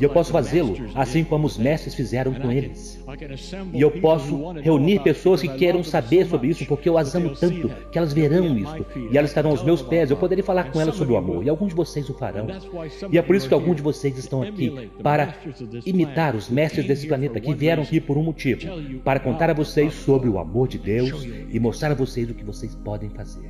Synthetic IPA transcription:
ɪewpɔsʊfazelʊasĩkõmʊːzmɛst̪ɾɪsfizɛɾɐ̃w̃kõelɪs | ɪewpɔsʊheuniɾpesoɐskɪkejɾɐ̃w̃sabeɾsobɾɪisʊpoɾkeewazɐ̃mʊt̪ɐ̃nt̪ʊkɪɛlɐzveɾɐ̃w̃ist̪ʊɪɛlɐzɪst̪aɾɐ̃w̃awzmewspɛzewpod̪eɾijɐfalaɾkõɛlɐsobɾɪʊa̰mo̰ɾɪawɡũzd͡ʒɪvosejzʊfa̰ɾɐ̰̃w̃ɪɛpoɾisʊ̥kɪawɡũzd͡ʒɪvosejzɪst̪ɐ̃w̃aki | paɾɐimit̪aɾʊzmɛst̪ɾɪzd̪esɪ̥planet̪ɐkɪviɛɾɐ̃w̃akipoɾũmot͡ʃivʊpaɾɐkõnt̪aɾɐvosejsːobɾɪʊa̰moɾd͡ʒɪd̪ews | ɪmost̪ɾaɾɐvosejzʊkɪvosejspɔd̪ẽj̃fazeɾ

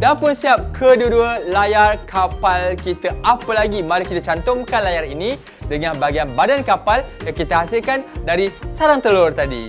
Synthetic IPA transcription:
danpʊnsiap̚kʰəduəduəlajarkʰapalkit̪aapəlaɡimaɾəkit̪at͡ʃant̪ʊŋkanlajarinĩ | dəŋãnbaɡianbadankapaljaŋkit̪əɦasilkandaɾisaɾaŋt̪əlʊrt̪adḭ

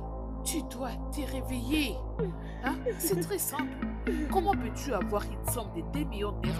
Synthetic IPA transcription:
t̪yd̪wa | t̪eʁeveje | ãsɛt̪χɛsɛ̃plkɔmɑ̃pøt̪yavwaʁynsɔ̃md̪ed̪emijɔ̃ɛʁ

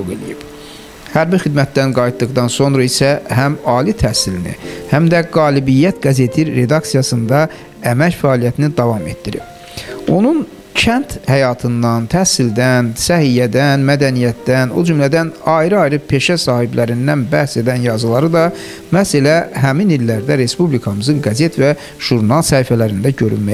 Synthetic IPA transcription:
oɣḛlḭjib̥ | hæɾbixid̪mæt̪̚d̪ænɡɑjit̪̚d̪ɯɣd̪ɑnso̞nɾɑisæɦæmɑːlit̪ʰæhsilinḭhæmd̪æɡɑːlibijːæt̪ɡæze̞t̪ʰiɾe̞d̪ɑksijɑsɯnd̪ɑ | æmæcfæːlijæt̪ʰinid̪ɑvɑme̞t̪d̪iɾḭb̥ | o̞nun | cʰænt̪hæjɑt̪ʰɯnd̪ɑnt̪ʰæhsild̪ænsæhijæd̪ænmæd̪ænijæt̪d̪æno̞d͡ʒymlæd̪ænɑjɾɯɑjɾɯpʰe̞ʃæsɑːhiblæɾind̪ænbæhse̞d̪ænjɑzɯlˠɑɾɯd̪ɑ | mæhselæɦæminilːæɾd̪æɾe̞spublikʰɑmɯzɯŋɡæzet̪væ | ʒ̥uɾnɑlˠsæfælæɾind̪æɟø̞ɾy̰nmæj

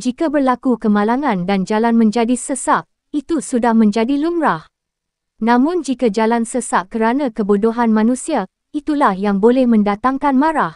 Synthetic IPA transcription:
d͡ʒikabərlakukəmãlaŋãndand͡ʒalanmə̃ɲd͡ʒadisəsap̚ | it̪usudahmə̃nd͡ʒadilumɾah | nãmʊ̃nd͡ʒikad͡ʒalansəsap̚kəɾanãkəbodoɦanmãnũsia | it̪ulahjaŋbolɛhmə̃ndat̪aŋkanmãɾah

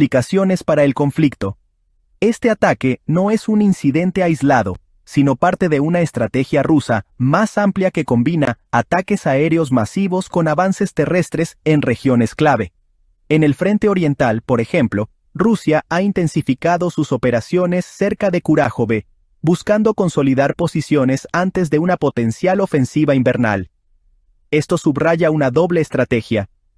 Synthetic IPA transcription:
likasjo̞ne̞spaɾae̞lko̞ɱflikt̪o̞ | e̞st̪e̞at̪ake̞no̞e̞suninsiðe̞nt̪e̞ajzlaðo̞̰ | sino̞paɾt̪e̞ðe̞unaest̪ɾat̪e̞xjarusa̰masampljake̞ko̞mbinaːt̪ake̞sae̞ɾeo̞z̬masiβo̞sko̞naβanse̞st̪e̞re̞st̪ɾe̞se̞nre̞xjo̞ne̞sklaβe̞ | ene̞lfɾe̞nt̪e̞o̞ɾje̞nt̪alpo̞ɾe̞xe̞mplo̞ | rusjaaint̪e̞nsifikaðo̞suso̞pe̞ɾasjo̞ne̞sːe̞ɾkaðe̞kuɾaxo̞βe | buskand̪o̞ko̞nso̞liðaɾpo̞sisjo̞ne̞sant̪e̞zðe̞unapo̞t̪e̞nsjalo̞fe̞nsiβaimbe̞ɾna̰l | e̞st̪o̞suβraʝaunaðo̞βle̞ːst̪ɾat̪e̞xja

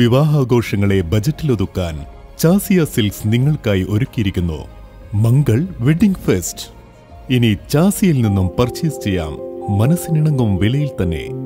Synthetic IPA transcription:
ʋiʋaːɦaːɡo̞ːʂɐŋːɐɭe̞bɐd͡ʑɐtːilo̞ðukːaːn | t͡ɕaːsijɐsilsniŋːɐɭkaːjiʔo̞ɾukʲːijiɾikʲːunːṵ | mɐŋɡɐɭʋeɖiŋɡfest | init͡ɕaːsijilninːumpɐrt͡ɕːijst͡ɕe̞jːa̰ːmːɐnɐsːɨniɳɐŋɡumʋilɐjilt̪ɐnːe̞̰

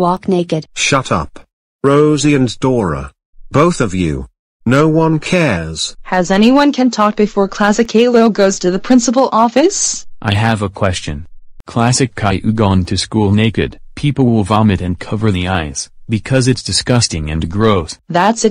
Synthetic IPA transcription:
wɔkneɪkɨd̥ʃʌɾʌ̰p | ɹoʊziɨ̃ndɔɹə̰ | b̥oʊθʌvjʉ̰ | noʊwʌ̃nkʰɛɹz̥hɨzɛñiwʌ̃nkʰɨ̃ntʰɔk̚b̥ɨfɔɹkʰl̥æsɨkʰeɪlˠoʊɡoʊz̥tʰɨðɨpʰɹ̥ɪ̃nsəpl̩ˠʔɔfɨsʔaɪɨvəkʰw̥ɛst͡ʃɨ̰̃nkʰl̥æsɨkʰːaɪʔʉɡɔ̃ntʰɨskulˠneɪkɨ̰d̥̚pʰipl̩ˠwɪlˠvɑmɨɾɨ̃nkʰʌvə˞ðiaɪz̥bɨkʰʌzɨtsd̥ɨskʌstɪ̃ŋɨ̰̃nɡɹoʊθðætsɨ

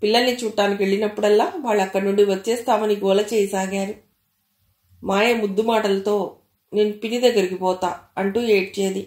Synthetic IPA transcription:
pilːɐlnit͡ʃuːʈːaːnikʲʋeɭːinɐpːuɽɛlːaːʋaːɭːɐkːɐɽnuɳɖiʋɐtːt͡ʃːɛːst̪aːmɐniɡɔːlɐt͡ʃɛːjɐsaːɡaːɾu | maːjeːmud̪ːumaːʈɐlɐt̪o̞ː | neːnupinid̪ɐɡːɐɾikipɔːt̪aːɐɳʈuːeːʈit͡ʃeːd̪i

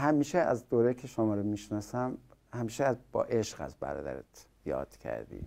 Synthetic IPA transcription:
hæmiːʃeæ̰zd̪oːɾejcʰeʃomɒːɾomiʃnɒːsæmhæmiːʃeæzb̥ɒ̰ːʔeʃɢæ̰zbæ̰ɾɒ̰ːd̪æ̰ɾḛt̪ʰ | jɒ̰ːd̪̥cʰæ̰ɾd̪ḭː

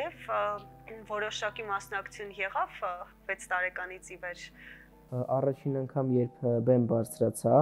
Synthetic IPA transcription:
jɛv | vɔɾɔʃɑkimɑsnɑkt͡sʰjunjɛʁɑv | vɛt͡sʰt̪ɑɾɛkɑnit͡sʰivɛɾ | ɑrɑt͡ʃʰinɑŋkʰɑmjɛɾpʰbɛmbɑɾt͡sʰɾɑt͡sʰɑ

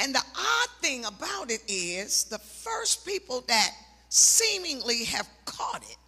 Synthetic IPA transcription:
ɨ̃nðiʔɑd̪̥̚θɪ̃ŋəbaʊɾɪɾɪz̥ðəfɜ˞spipl̩ˠðɨt̚ | sĩmɪ̃ŋliɨv̥kʰɔɾɪ̰t̚

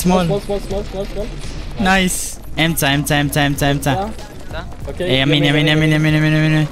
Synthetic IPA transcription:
smɔl | naɪs | ɛ̃mtaɛ̃mtaɛ̃mtaɛ̃mtaɛ̃mta | eamĩnamĩnamĩnamĩnamĩnamĩnĩ

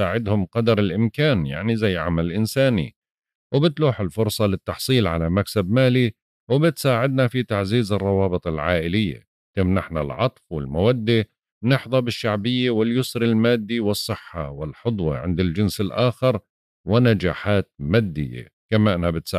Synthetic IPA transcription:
aːʕɪd̪hʊmqɑd̪ɑɾˤɪlʔɪmkaːnja̰ʕnizajːʕa̰malʔɪnsaːnḭ | wbɪt̪luːħɪlfʊɾsˤɑlɪt̪ːɑħsˤiːlʕalamaksabmaːli | wbɪt̪saːʕɪd̪̚nafit̪aʕziːzɨrˤːɑwɑːbɨt̪ˤɪlʕaːʔɪlɪjːa̰ | t̪ɪmnaħna̰lʕɑt̪ˤfwɪlmawad̪ːi | nɪħðˤɑbɪʃːaʕbɪjːawɪljʊsɾɪlmaːd̪ːiwɪsˤːɨħːawɪlħʊd̪ˤwɑ̰ʕɪ̰nd̪ɪld͡ʒɪnsɪlʔaːxɪɾ | wɪnad͡ʒa̰ːħaːt̪̚maːd̪ːɪ̰jːa̰ | kamaʔɪnabɪt̪s

